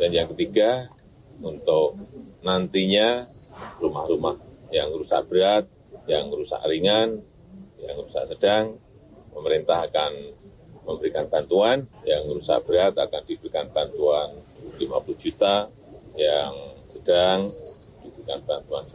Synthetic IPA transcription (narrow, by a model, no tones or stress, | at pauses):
danjaŋkət̪iɡa | unt̪ʊk̚nant̪iɲa | rumahɾumahjaŋɾusa̰ʔb̥əɾat̪̚ | jaŋɾusa̰ʔɾiŋan | jaŋrusa̰ʔsəd̥aŋ | pəməɾint̪aɦakan | məmbəɾikant̪ant̪uanjaŋɾusa̰ʔb̥əɾat̪̚akandibəɾikant̪ant̪uanlimapuluhd͡ʒut̪a | jaŋsəd̥aŋ | d̥ibɾikant̪ant̪uan